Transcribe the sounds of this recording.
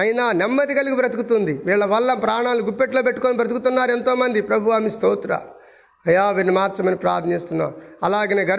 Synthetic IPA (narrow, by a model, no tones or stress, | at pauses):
ɐjnaːnemːɐt̪iɡɐliɡibɾɐt̪ukut̪und̪iʋiːɭːɐʋɐlːɐpɾaːɳaːluɡupːeʈloːpeʈːu̥koːnibɾɐt̪̬ukut̪unːaːɾue̞nt̪o̞ːmɐnd̪ipɾɐbʱuʋɐmist̪oːt̪ɾɐ̰ | ɐjaːʋiːɾnimaːɾt͡ʃɐmɐnipɾa̰ːt̪ʰnɐeːst̪unːa̰ːuɐlaːɡɐneːɡɐɾ